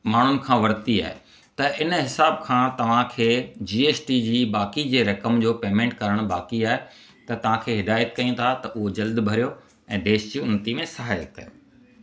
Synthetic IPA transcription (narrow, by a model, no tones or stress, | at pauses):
maːɳ̤ʊnɪ̆kʰãːʋɐɾt̪ia̰ːɦḛ | t̪ɐʔɪnɦɪsaːb̚kʰãːt̪ɐʋ̤ãkʰeːd͡ʑiːeːsʈid͡ʑiːbaːkid͡ʑeːɾɐkəmd͡ʑoːpeːmẽːɳʈkɐɾəɽ̃baːkiaːɦe | t̪ɐt̪ɐʋ̤ãkʰeːɦɪd̪aːjət̪kɐiũt̪ʰat̪ɐʔʊɦod͡ʑɐld̪bʱɐɾijo | ɛ̃ːd̪eːʃd͡ʑiʊnət̪imẽsɐɦaːjə̰kkɐje